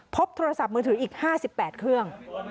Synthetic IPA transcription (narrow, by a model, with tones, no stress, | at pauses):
pʰo˦˥p̚t̪ʰoː˧ɾa˧sa˨˩p̚mɯː˧ɯ˩˦ʔiː˨˩k̚haː˥˩si˨˩pːɛː˨˩t̪̚kʰɾɯ˥˩əŋ